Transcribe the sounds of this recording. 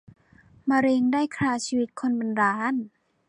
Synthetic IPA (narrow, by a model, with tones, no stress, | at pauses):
ma˧ɾe˧ŋdaː˥˩jkʰɾaː˧siː˧wi˦˥t̪̚kʰo˧nba˧nɾaː˧n